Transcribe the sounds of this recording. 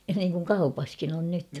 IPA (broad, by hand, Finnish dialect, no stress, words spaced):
niːŋkuŋ kɑupɑskin on nyt